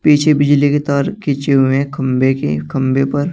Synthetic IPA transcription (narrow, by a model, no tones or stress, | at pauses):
piːt͡ʃʰebɪd͡ʒliket̪aːɾkʰet͡ʃeɦʊẽkʰɐmbekḛkʰɐ̃mbepɐɾ